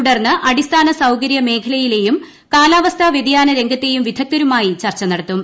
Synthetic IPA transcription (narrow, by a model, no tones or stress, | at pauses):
uɽɐrnːɨʔɐɽist̪ʰaːnɐsɐwkɐɾjɐme̞ːkʰɐlɐjile̞jum | kaːlaːʋɐst̪ʰaʋjed̪ijaːnɐɾe̞ŋɡʱɐt̪ːe̞jumʋid̪ʱɐk̚t̪ɐɾumaːjit͡ɕɐrt͡ɕːɐnɐɽɐt̪ːum